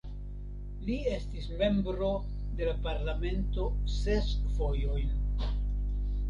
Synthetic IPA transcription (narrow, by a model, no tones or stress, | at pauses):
lie̞stisme̞mbɾo̞ | de̞lapaɾlame̞nto̞se̞sfo̞jo̞jn